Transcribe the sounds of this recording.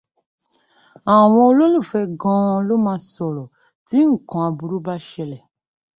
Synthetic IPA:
a˨w̃ɔ̃˧o˧lo˦lo˦˨fɛ˧ɡɔ̃˧˦lo˦mãː˧˦sɔ˨ɾɔ˨ | ti˨˦ŋ̩˨kɔ̃˨a˨˧bu˨ɾu˦ba˦ʃɛ˧lɛ˨

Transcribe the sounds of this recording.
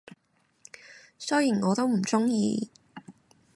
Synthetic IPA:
sɵ˥jiː˨˩nŋɔː˨˧t̪o˥wm̩˨˩t͡sʊ˥ŋjiː˧

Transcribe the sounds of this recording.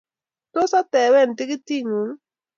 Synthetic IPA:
to˦sa˦tɛ˨˦wɛ˦˨n˨ti˦ki˦ti˦˨ŋu˨˦ŋ˦

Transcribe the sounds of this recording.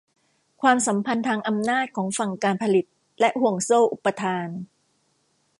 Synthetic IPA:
kʰwaː˧msa˩˦mpʰa˧nt̪ʰaː˧ŋʔa˧mnaː˥˩t̪̚kʰɔː˩˦ŋfa˨˩ŋkaː˧npʰa˧li˨˩t̪̚ | lɛ˦˥ʔhu˨˩əŋsoː˥˩ʔu˨˩pːa˧t̪ʰaː˧n

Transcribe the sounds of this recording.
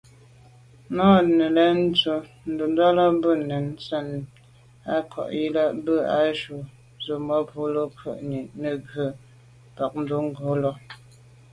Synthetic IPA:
nɔ˦nə˨lɛ˦n̩˦tə˨ | n̩˦do˨n˦dɔ˦lɔ˦bə˦˨ne˨n˦sə˦˨n | a˦kʰɔ̰˨ʔji˦la˦bə˦a̰˦ʃu˨ | zə˨mɔ˦po˨˦lo˦kʰə̰˨ʔɲi˨ʔnə˨ɡə˨ | ba˨k̚n̩˦do˦ŋ˦ɡo˨˦lɔ˦

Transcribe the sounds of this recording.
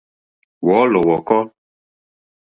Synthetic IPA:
wɔ˨˦lɔ˨wɔ˨kɔ˦

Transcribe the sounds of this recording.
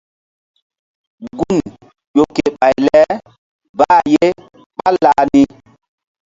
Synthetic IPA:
ɡu˦˨n | jo˨kːe˨ɓa˨jlɛ˦ | ba˦˨je˦ | ɓa˦laː˨˦ni˦

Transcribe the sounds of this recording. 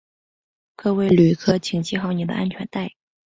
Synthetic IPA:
kɤ˥˧we˥˩ɪly˨˩kʰɤ˥˩t͡ɕʰi˨˩ŋt͡ɕʰi˥xɑ˧˩ʊni˨˩d̪ə̰˦ʔa̰˥nt͡ɕʰɥɛ˧˥nt̪a˥˩ɪ

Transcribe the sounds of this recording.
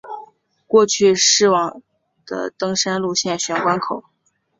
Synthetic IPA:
kwɔ˥˧t͡ɕʰy˥˧ʂɻ̩˥˩wɑ˨˩ŋ | d̪̥ə̰˧t̪ɤ˥ŋʂa˥nlu˥˧ɕjɛ˥˩nɕɥɛ˧˥nkwa˥nkʰo˨˩˦ʊ

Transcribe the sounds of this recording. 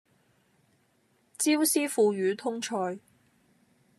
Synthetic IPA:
t͡siː˥wsiː˥fuː˧ɥyː˨˧t̪ʰʊ˥ŋt͡ʃʰɔː˧j

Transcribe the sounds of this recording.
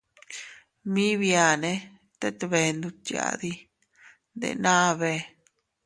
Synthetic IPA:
mĩ˦βja˨nẽ˧ | t̪e˦t̪βe˨˧nd̪u˧t̪ja̰˧˨d̪i˧ | nd̪ḛ˨nã˦βe˧

